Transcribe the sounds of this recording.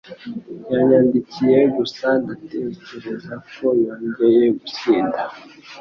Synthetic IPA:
jaɲandikijeɡusanateceɾezakʰojaɲɡejeɡusiːnda

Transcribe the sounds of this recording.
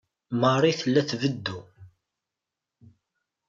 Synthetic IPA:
məɾˤiθəlːæθvəd̪ːu

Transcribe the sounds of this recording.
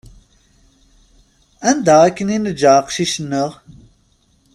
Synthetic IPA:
ænd̪akəninəd͡ʒaːqʃiʃənːəʁ

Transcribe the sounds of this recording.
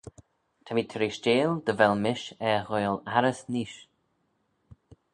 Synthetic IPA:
t̪ʰamiːt̪ʰəɾiʃt͡ʃeːld̪əvɛlmɪʃɛɣoːlaɾəsniːʃ

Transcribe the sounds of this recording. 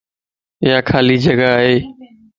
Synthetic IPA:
ɪɦaːkʰaːliːd͡ʒəɡaaːɦeː

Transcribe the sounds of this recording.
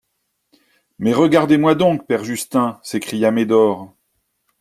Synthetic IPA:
mɛʁəɡaʁd̪emwad̪ɔ̃k̚pɛʁʒyst̪ɛ̃sekχijamed̪ɔʁ

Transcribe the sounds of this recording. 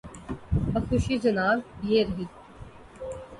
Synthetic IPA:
əxʰʊʃiːd͡ʒənaːzjeɾəɦiː

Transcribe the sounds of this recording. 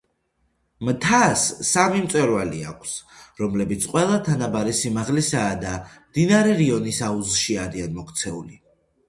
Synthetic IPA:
mt̪ʰasːamimt̪sʼwɛɾvalia̰kʷʰsɾɔmlɛbit̪sʰqʼwɛlˠat̪ʰanabaɾɛsimaʁlisaːd̪amd̪inaɾɛɾiɔnisauzʃiaɾianmɔkʰt̪sʰɛuli

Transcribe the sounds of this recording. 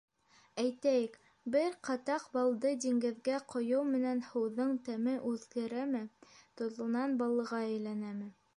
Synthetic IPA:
æjt̪æjɘk | bɘɾqɑt̪ɑqbɑlˠd̪ɤd̪iŋɡɘ̆ðɡæqʰŏjɤwmɘ̆nænhɤ̆wðɤɴt̪æmɘʔʉðɡɘ̆ɾæmɘt̪ŏzɤ̆nɑnbɑlˠːɤ̆ʁɑɘ̆jlænæmɘ

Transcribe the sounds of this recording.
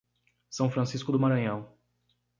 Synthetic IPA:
sɐ̃w̃fɾɐ̃siskʊd̪ʊmaɾɐ̃ɲɐ̃w̃

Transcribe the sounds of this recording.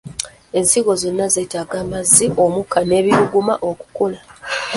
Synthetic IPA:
e̞nsiɡo̞zo̞nːaze̞ːtaːɡaːmazːio̞mukane̞ːβiɾuɡumaʔo̞ku̥kola

